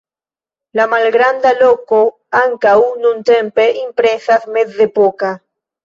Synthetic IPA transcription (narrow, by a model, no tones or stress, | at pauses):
lamalɡɾand̪aloko | aŋkawnũnt̪empeʔimpɾesasmeθðepoka